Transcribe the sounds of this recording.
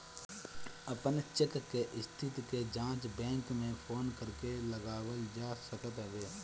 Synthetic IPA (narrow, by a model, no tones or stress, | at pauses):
əpənt͡ʃɪkkeʔɪst̪ʰɪt̪ked͡ʒãːt͡ʃbɛ̃ːŋkmẽpʰoːnkəɾkeləɡaːwəld͡ʒaːsəkət̪ɦəʋeː